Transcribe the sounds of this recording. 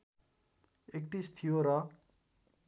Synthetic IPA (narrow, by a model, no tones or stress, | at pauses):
ekʈ̪ist̪ʰijoɾʌ